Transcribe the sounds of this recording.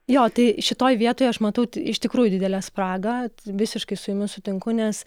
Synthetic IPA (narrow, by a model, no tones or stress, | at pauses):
joːt̪ɐɪʃʲɪt̪oːjʋʲiɛt̪oːjɐʃmɐt̪ɐʊɪʃt̪ʲɪkɾuːjʊd̪ʲɪd̪ʲɛlʲæːspɾɑːɡɐʋʲɪsʲɪʃkɐɪsʊjɪmʲɪsʊt̪ʲɪŋkʊnʲɛs